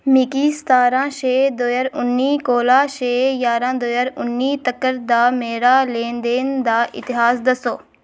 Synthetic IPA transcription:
mikiːst̪aːɾãːʃeːd̪oːjəɾʊnːiːkoːlaːʃeːjaːɾãːd̪oːjəɾʊnːiːt̪əkːəɾd̪aːmeːɾaːlẽːnd̪eːnd̪aːʔɪ̰t̪ɪɦaːsd̪əsoː

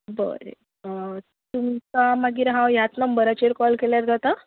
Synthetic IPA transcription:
bə̰ɾḛ | t̪umkamaɡiːɾɦãwjat̪nəmbəɾat͡ɕeɾkɔlkeljaɾd͡zat̪a

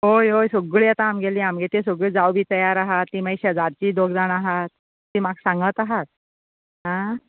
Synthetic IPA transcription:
ɦojɦojsoɡɭiat̪ãːmɡeliamɡet̪esoɡɭiːd͡zawbʱiːt̪əjaɾaɦat̪ːiːməjɕəd͡zaɾt͡ɕiːd̪oɡd͡zaɳaɦat̪̚ː | iːmaɡsãŋɡət̪aɦat̪̚ | ɦã

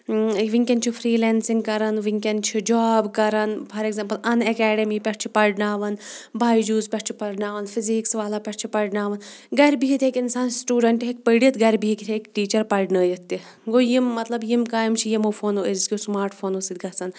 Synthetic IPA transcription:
ʋiŋkʲɐnt͡ʃʰifʰɾiːlɛːnsiŋɡkɐɾɐnʋiŋkʲɐnt͡ʃʰid͡ʒaːbkɐɾɐnpʰɐɾeɡzempɐlɐnɛkɛːɖemipʲɐʈt͡ʃʰi̥pɐɖnaːʋɐnbʱaːjid͡ʒuːzpʲɐʈt͡ʃʰi̥pɐɾɖnaːʋɐnfiziːksʋaːlapʲɐʈt͡ʃʰipɐɖnaːʋɐnɡɐɾbiɦit̪ʰekɪnsaːnsʈuːɖɐɳʈɦek̚pəɽiɐt̪ɡɐɾbiɦikit̪ʰekʈiːt͡ʃɐɾpɐɾɖnəːjɐt̪ːi | ɡoːjimːɐt̪lɐbjimkaːjimt͡ʃʰijimofʰoːnoeɾskʲismaːɾʈʰfʰoːnosid̪ɡɐsɐn

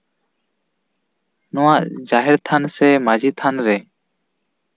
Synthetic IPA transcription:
nɔwaʔd͡ʒaɦɛɾt̪ʰansɛmad͡ʒit̪ʰanɾɛ

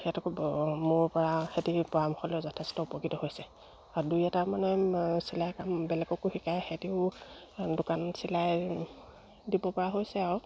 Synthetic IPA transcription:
ɛtɔkmʊɹpɔɹaxetipɔamɔxɔlɔzɔtʰestɔupɔkitɔɦojsɛ | aɹdujɛtamanɛsilajkambɛlɛɡɔkuhikajxetiʊ | dʊkansilaj | dibɔpɔɹaɦojsɛaɹ

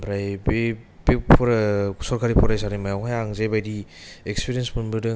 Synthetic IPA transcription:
bɾajbe | bepʰɔɾsɔɾkʰaɾipʰɔɾajsanimajawɦajaŋzajbajdiekspiɾiensbunbɯdɯ

